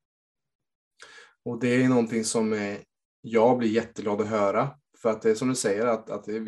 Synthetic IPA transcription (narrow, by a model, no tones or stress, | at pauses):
ɔd̪ɛænɔnt̪ɪŋsɔmæ | jɑːɡblɪɾjɛt̪ːəɡlɑːd̪ɔɦœːɾa | fœɾat̪̚d̪ɛːsɔmd̪ɵsɛjəɾat̪a̰t̪̚d̪ɛ